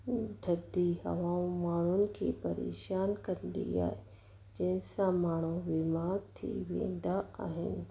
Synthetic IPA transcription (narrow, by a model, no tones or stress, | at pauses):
ɖʱɐd̪iɦɐ̰ʋãːũmaːɳ̤ʊnɪ̆kʰepɐɾḛːʃaːnkɐɾənd̪ḭa̰ːɦe | d͡ʒɐ̃ɦɪ̃sãmaːɳ̤uʋɪmaːɡt̪ʰḭʋḛ̃ːnd̪aaːɦɪ̰nɪ̆